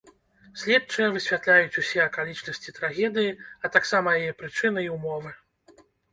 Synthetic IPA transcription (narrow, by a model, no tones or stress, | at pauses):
sʲlʲɛt̪̚t͡ʂɐjɐvɨsʲvʲat̪lʲajut͡sʲusʲɛɐkalʲit͡ʂnɐsʲt͡sʲit̪ɾaɣʲɛd̪ɨjiɐt̪aksamɐjajɛpɾɨt͡ʂɨnɨiwmɔvɨ